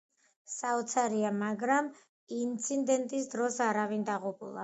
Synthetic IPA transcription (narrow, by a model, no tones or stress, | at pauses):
saɔt̪sʰaɾiamaɡɾam | int̪sʰind̪ɛnt̪ʼisd̪ɾɔsaɾavind̪aʁupʼṵlˠa̰